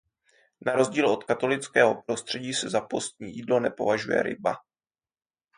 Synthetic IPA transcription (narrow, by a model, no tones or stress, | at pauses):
naɾo̞zɟiːlo̞t̪kat̪o̞lɪt͡skɛːɦo̞pɾo̞st̪r̝̥ɛɟiːsɛzapo̞st̪̚ɲiːjiːdlo̞nɛpo̞vaʒujɛ̰ɾɪ̰ba